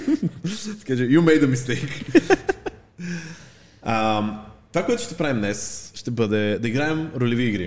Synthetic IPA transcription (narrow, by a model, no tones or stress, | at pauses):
sɛ̥kaʒɛjumɛjd̪əmist̪ejk | ɐmt̪ovakoɛt̪ʊ̥ʃt̪ɛpɾavimnɛsʃt̪ɛbəd̪ɛd̪ɐiɡɾaɛmɾolɛviːɡɾḭ